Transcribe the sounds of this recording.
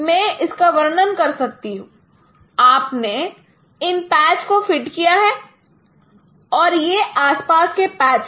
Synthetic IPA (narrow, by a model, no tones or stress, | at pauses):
mɛ̃ːʔɪskaʋɐɾnənkɐɾsɐk̚t̪iɦũː | aːpne | ɪnpɛːt͡ʃkofɪʈkijaɦɛː | ɔːɾjeʔaːspaːskepɛːt͡ʃ